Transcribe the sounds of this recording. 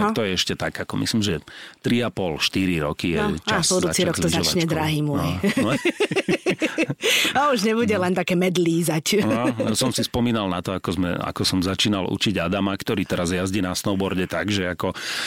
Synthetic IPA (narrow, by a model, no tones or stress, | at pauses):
t̪ɔjɛɛʃcɛt̪aɡakɔmḭslimʒɛt̪ɾiapɔlʃt̪iɾiɾɔkijɛt͡ʃasbudzuːt͡siɾɾɔk̪ɔzat͡ʃaɲɛd̪ɾaɦiːmɔ | auʒɲɛbuɟɛlɛnt̪akɛːmɛd̪liːzacsɔmsispɔmiːnalnat̪ɔakɔzmɛ̰a̰kɔsɔmzat͡ʃiːnalṵt͡ʃiɟad̪amakt̪ɔɾiːt̪ɛɾazjazɟiːnasnɔʊbɔɾɟɛt̪aɡʒɛakɔ